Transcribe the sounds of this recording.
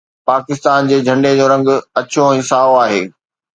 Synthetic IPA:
paːkɪst̪aːnd͡ʑeːd͡ʑʱɐ̃ɳɖed͡ʑoːɾɐ̃ŋɡʊ̆ɐt͡ɕõɪsaːoaːɦeː

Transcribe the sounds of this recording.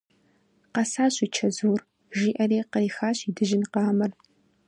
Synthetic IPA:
qɐsaːɕit͡ʃʰɐzuːr | ʒiːʔɐɾeːqɐjxaːɕiːdɨʒɪnqɑːmɐr

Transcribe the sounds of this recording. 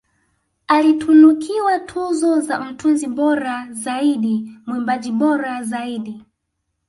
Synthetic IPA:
alitʰunukʰiwatʰuzɔzam̩tʰunziɓɔɾazaiɗimwɛmbad͡ʒiɓɔɾazaiɗi

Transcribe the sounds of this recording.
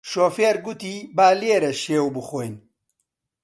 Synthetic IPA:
ʃoːfeːɾɡut̪iːbaːleːɾɐʃeːwbɨxojn

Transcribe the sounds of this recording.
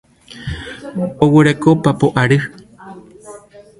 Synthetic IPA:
owɨɾekopapoʔaɾɨ

